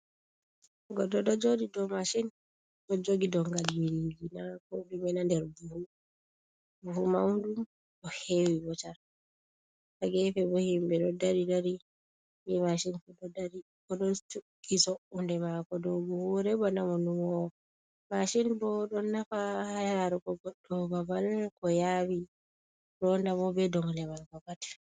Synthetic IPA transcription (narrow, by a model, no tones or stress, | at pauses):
ɡɔdɔɗɔd͡ʒodidɔmaʃin | ɗɔd͡ʒoɡidɔŋɡalinɡinakɔɗumɛnandɛɾbuhu | buhumawndum | bɔhewibɔt͡ʃaɾ | taɡɛfɛbɔhimbɛɗɔdaɾidaɾi | mimaʃinfuɗɔdaɾi | kɔɗɔntu | isɔʔundɛmakɔdɔbuhuɾɛbɔnamɔnumɔ | maʃinbɔɗɔnːafahajaɾaɾukɔɡɔɗːɔbabalkɔjaːwi | ɾɔndamɔbɛdɔŋlɛmalkɔkati̥